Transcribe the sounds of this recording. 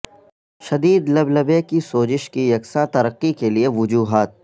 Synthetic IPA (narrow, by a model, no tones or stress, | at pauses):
ʃɐd̪iːd̪lɐblɐbekisoːd͡ʒɪʃkijɐksat̪ɐɾəqːikelieʋʊd͡ʒuːɦaːt̪̚